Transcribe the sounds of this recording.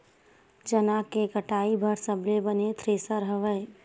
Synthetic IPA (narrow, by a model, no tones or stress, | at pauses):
d͡ʒənakekəʈaːibʱəɾsəblebənet̪ʰɾeːsəɾɦəʋəe